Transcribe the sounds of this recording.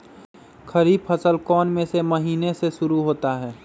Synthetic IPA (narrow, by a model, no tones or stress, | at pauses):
kʰɐɾiːbfəsəlkɔːnmẽsemɐɦiːneseʃʊɾuɦoːt̪aɦɛː